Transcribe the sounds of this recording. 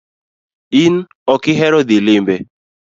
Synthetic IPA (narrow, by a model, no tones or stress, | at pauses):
in | ɔkɪɦɛɾɔd̪ilɪmbɛ